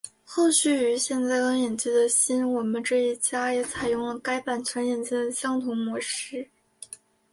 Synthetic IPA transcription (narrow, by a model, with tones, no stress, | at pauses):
xo˥˧ʊɕy˥˩y˧˥ɕjɛ˥˧nt͡sa˥˩ɪkɑ˥ŋjɛ˨˩nt͡ɕi˥˩d̪ə˨ɕi˥nwɔ˨˩mə˦nʈ͡ʂɤ˥˧i˥˩t͡ɕja˥jɛ˧˥t͡sʰa˨˩ɪjʊ˥˩ŋlə˧˩ka˥ɪpa˨˩nt͡ɕʰwɛ˧˥njɛ˨˩nt͡ɕi˥˩d̪ə˩ɕjɑ˥ŋt̪ʰʊ˧˥ŋmwɔ˧˥ʂɻ̩˥